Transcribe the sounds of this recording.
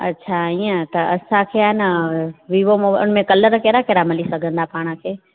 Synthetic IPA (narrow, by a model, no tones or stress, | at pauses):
ɐ̰tːɕʰaiːə̃t̪ɐɐsãkʰeaːɦɪnɪ̆ʋiːʋomoːba̰ʊnmẽkɐləɾkɛːɾakɛɾamɐlisɐɡʱə̃nd̪apaːɽ̃əkʰeː